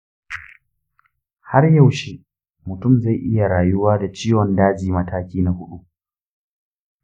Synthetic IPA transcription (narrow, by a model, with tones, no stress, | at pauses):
ha˦rja˦˨wʃe˦ | mʊ˨tʊ˦˨mza˦˨jʔɪ˦ja˨ɽaː˨jʊ˦waː˦da˨t͡ʃiː˦wɔ˨ndaː˦d͡ʒiː˨mɐ˦taː˦kʲiː˦na˨hʊ˦ɗu˦